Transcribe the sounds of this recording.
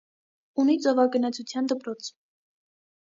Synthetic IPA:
unit͡sɔvɑɡənɑt͡sʰut͡sʰjɑnd̪əpɾɔt͡sʰ

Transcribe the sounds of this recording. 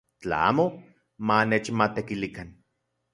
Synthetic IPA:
t͡ɬa̰a̰ːmo | manet͡ʃmat̪ekilikan

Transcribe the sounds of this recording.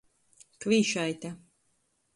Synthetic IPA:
kvʲiːʃajt̪a

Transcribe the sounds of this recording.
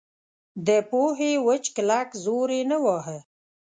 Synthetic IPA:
d̪əpoɦewət͡ʃklakzoɾenəwɑɦə

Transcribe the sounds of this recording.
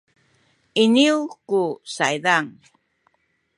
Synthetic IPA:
ɪniwkusajd̪aŋ

